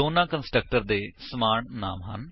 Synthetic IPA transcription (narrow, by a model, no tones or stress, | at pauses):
oːnaːkənsʈɾək̚ʈəɾd̪eːsɐmaːɳna̰ːmɦɐ̰n